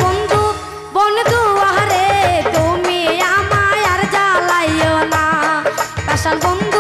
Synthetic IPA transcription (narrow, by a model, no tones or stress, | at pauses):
ɔnd̪ʱu | bɔnd̪ʱuaɦaɾet̪umijamajaɾd͡ʒalajjɔna | pasanbɔnd̪ʱ